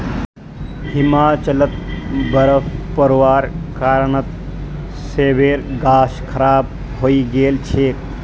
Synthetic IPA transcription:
himaːt͡ʃɐlət̪̚bəɾəfpəɾʋaːɾkaːɾɳət̪ | seːʋeːɾɡaːʃkʰɐɾaːb | ɦoːiɡeːlt͡ʃʰeːk

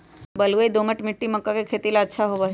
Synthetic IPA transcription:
bəlueid̪oməʈmiʈːiməkːakekʰet̪ilaətːʃʰaɦoʋa

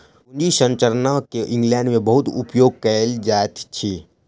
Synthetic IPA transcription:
ʊnd͡ʒisə̃nt͡ʃəɾnakeʔɪ̃ŋɡlɛ̃ːɳɖmẽbɐɦʊt̪ʊ̰pjoːɡ̚kɛld͡ʒaːt̪t͡ʃʰiː

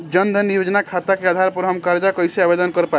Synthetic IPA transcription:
d͡ʒənd̪ʱənijod͡ʒnakʰat̪akeəd̪ʱaɾpəɾɦəmkaɾd͡ʒakəjseabed̪ənkəɾpa

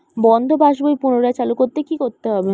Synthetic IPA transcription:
bɔnd̪ʱobʱaʃbojpunoɾaet͡ɕalukoɾt̪ekikoɾt̪eɦɔbe

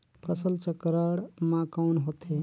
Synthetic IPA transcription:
pʰəsəlt͡ʃəkɾəɽmãkawnɦot̪ʰe

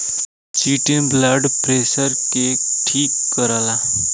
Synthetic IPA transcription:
t͡ʃiːʈinblaɖpɾeːsəɾkeʈʰiːkːəɾaːla

